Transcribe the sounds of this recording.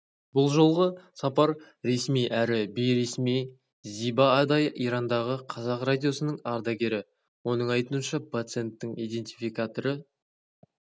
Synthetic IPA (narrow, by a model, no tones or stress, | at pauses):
bʊlˠʒo̞lˠʁəsɑpɑɾ | ɾe̞smijʔæɾɪbejɾe̞smij | zibɑːd̪ɑjəʔiɾɑnd̪ɑʁəqʰɑzɑqrad̪ʲijo̞sənəɴɑɾd̪ɑɡʲe̞ɾɪ | wo̞nəɴɑjt̪uənʃɑpʰat̪sɨe̞nt̪ːɪŋijd̪e̞nt̪ijfijkat̪o̞ɾə